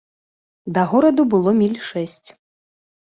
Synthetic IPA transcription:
d̪ɐɣɔɾɐd̪ubɨlˠɔmʲilʲʂɛsʲt͡sʲ

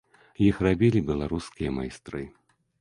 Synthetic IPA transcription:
jixrabʲilʲibʲɛlˠaɾuskʲijɐma̰jst̪ɾɨ

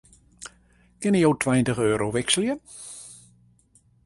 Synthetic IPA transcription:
kɪnəjowtʰwɛjntəɣøːɾowʋɪksəljə

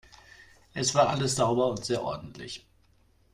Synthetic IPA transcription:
ʔɛsv̥aːɐʔaləsz̥aʊbɐʊntz̥eːɐʔɔ̰ɐdn̩tʰlɪ̰ç

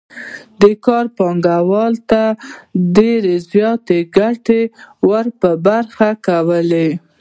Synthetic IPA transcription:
d̪əkɑɾpɑŋɡawɑlt̪aɖeɾezjɑt̪eɡaʈewəɾpəbaɾxakawəle

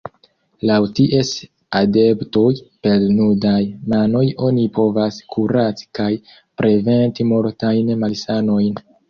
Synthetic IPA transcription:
lawtiʔe̞s | ade̞ptojpe̞lnudajmano̞jo̞nipo̞vaskʰuɾati̥kaj | pɾe̞ve̞ntimo̞ɾtajnmalsano̞jn

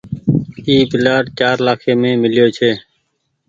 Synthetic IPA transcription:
iːbɪlaːɖt͡ʃaːɾlaːkʰeːmẽːmɪlɪjoːt͡ʃʰeː

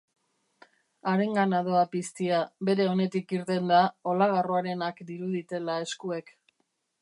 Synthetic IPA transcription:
aɾe̞ŋɡanaðo̞apist̪iaβe̞ɾe̞o̞ne̞t̪ikiɾt̪e̞nd̪ao̞laɣ̞aroaɾe̞nakd̪iɾuðit̪e̞lae̞skue̞k

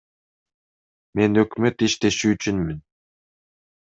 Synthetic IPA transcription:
me̞nøkmøt̪iʃt̪e̞ʃyːt͡ʃynmyn

